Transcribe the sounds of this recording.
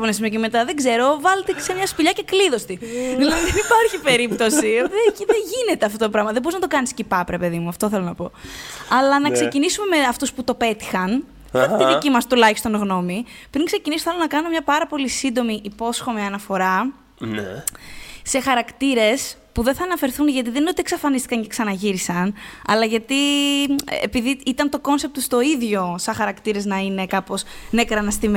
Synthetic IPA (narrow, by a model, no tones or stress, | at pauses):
onesimoceme̞t̪ɐðe̞ɡze̞ɾo̞vɐlet̪e̥semɲɐspiʎɐce̞kliðo̞st̪iðilɐðinenipɐɾçipe̞ɾip̚t̪o̞sioðeiðeʝine̞t̪eɐft̪ot̪opɾɐɣmɐðeboiznɐt̪o̞kɐniscipɐpɾe̞pe̞ðimuɐft̪o̞θe̞lo̞nɐpo̞ɐlɐnɐkse̞cinisume̞meɐft̪usput̪o̞pe̞t̪i̥xɐn | ɐt̪t̪iðicimɐst̪ulɐçist̪o̞nɣno̞mipɾiŋksecinisoθelonɐkɐnumemɲɐpɐɾɐpo̞lisind̪o̞miʔipo̞sxo̞miɐnɐfo̞ɾɐ | n | se̞xɐɾɐkt̪iɾe̞spuðenθɐːnɐfe̞ɾθunʝɐt̪iðeninot̪ieksɐfɐnist̪ikɐnce̞ksɐnɐʝiɾisɐnɐ̰lɐʝɐt̪i | ḛpiðiit̪ɐnt̪o̞ko̞nse̞p̚t̪ust̪o̞iðʝo̞sɐxɐɾɐkt̪iɾe̞znɐine̞kɐpo̞snekɾɐnɐst̪im